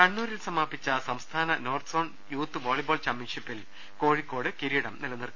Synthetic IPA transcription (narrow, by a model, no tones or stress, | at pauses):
kɐɳːuːɾilsɐmaːpːit͡ɕːɐsɐmst̪ʰaːnɐno̞ːrt̪so̞ːɳ | juːt̪ːɨʋoːɭiboːlt͡ɕɐmːinʂipːil | ko̞ːɻikːo̞ːɽɨkiɾijiɽɐmnilɐnːirkː